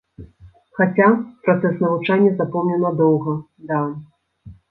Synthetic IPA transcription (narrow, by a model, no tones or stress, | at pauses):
xat͡sʲapɾat̪sɛsnɐvut͡ʂanʲːɐzapɔmnʲɛnɐd̪ɔwɣɐ | d̪a